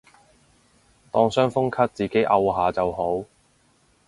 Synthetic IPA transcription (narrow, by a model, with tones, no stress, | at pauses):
t̪ɔː˧ŋsœː˥ŋfʊ˥ŋkʰɐ˥t̚t͡siː˨ke˨˥jʔɐ˧wɦaː˨˧t͡sɐ˨who˨˥w